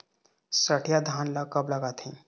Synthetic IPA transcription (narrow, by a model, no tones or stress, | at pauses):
səʈʰjad̪ʱaːnlakəbləɡaːt̪ʰẽː